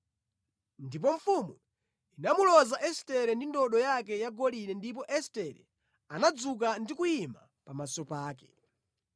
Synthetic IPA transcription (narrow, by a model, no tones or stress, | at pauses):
ndip̬ɔɱfumu | inamulɔzaʔɛstɛɾɛndindɔɗɔjak̬ɛjaɡɔlinɛndip̬ɔʔɛstɛɾɛ̰ | anad͡zuk̬andikujima | pamasɔpaːkɛ̥